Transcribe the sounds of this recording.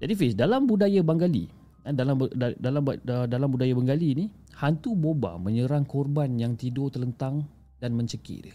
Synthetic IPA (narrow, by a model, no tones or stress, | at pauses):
d͡ʒadifisdalambudajabaŋɡalḭ | adalamdalamdalambudajabaŋɡaliːni | hant̪uboba̰mə̃ɲəɾaŋkɔrbanjaŋt̪idot̪ələnt̪aŋ | danmə̃ɲt͡ʃəkɪ̰ʔdə